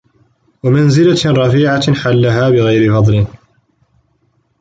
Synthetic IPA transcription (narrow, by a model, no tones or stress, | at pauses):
wamanzɪlaɾˤɑfiːʕaħalːaɦaːbɪɣajɾɪfɑd̪ˤlɪ